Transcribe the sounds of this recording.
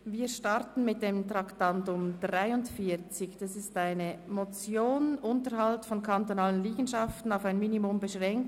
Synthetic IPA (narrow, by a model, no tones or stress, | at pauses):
viːʃtɑʁtn̩mɪt̚d̥eːmtʁɑktantʊmdʁaɪʊntfiːt͡sɪçd̥ɑsɪstaɪnəmot͡sjoːnʔʊntəhɑltfɔnkʰantonɑːlənliːɡn̩ʃɑftn̩aʊfaɪnminimʊmbəʃʁɛŋk̚t